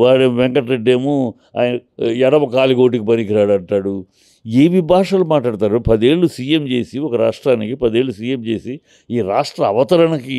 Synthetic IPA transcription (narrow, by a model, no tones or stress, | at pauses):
ʋaːɾemʋɛŋkɐʈɾeɖːe̞ːmu | a̰ːjnɐɛɾɐʋɐkaːliɡo̞ːʈ̬ikipɐnikiɾaːɽɐɳʈaːɽu | eːʋibʱaːʂaːlumaːʈ̬laːɽt̪aːɾupɐd̪e̞ːɭːusiːjemt͡ʃe̞ːsiɔkɐɾaːʂʈɾaːnikipɐd̪e̞ːɭːusiːjemt͡ʃe̞ːsi | iːɾaːʂʈɾɐːʋɐt̪ɐɾɐnɐki